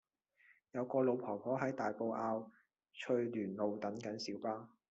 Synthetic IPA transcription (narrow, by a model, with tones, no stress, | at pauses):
jɐ˨˧wkɔː˧lo˨˧wpʰɔː˨˩pʰɔː˨˥ɦɐ˨˥jt̪aː˨jpo˧wʔaː˧w | t͡ʃʰɵ˧ɥlyː˨˩nlo˨wt̪ɐ˨˥nkɐ˨˥nsiː˨˥wpaː˥